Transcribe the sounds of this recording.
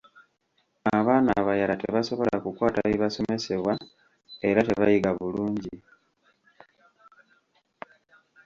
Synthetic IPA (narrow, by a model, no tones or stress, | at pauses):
aβaːnaβajalate̞βaso̞βo̞lakukwaːtaβiβaso̞me̞se̞βwa | e̞ɾate̞βajiɡaβuluːɲɟi